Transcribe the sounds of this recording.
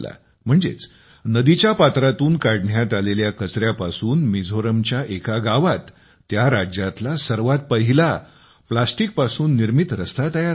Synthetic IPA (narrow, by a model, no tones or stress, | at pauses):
la̰ | m̤əɳd͡zḛt͡s | nəd̪it͡ɕjapat̪ɾat̪uːnkaɽɳjat̪aleljakət͡sɾjapasuːnmid͡zʱoɾəmt͡ɕjaʔekaɡaʋat̪ː | jaɾad͡ʑjat̪lasəɾʋat̪̚pəɦila | plasʈik̚pasuːnːiɾmit̪ɾəst̪at̪aja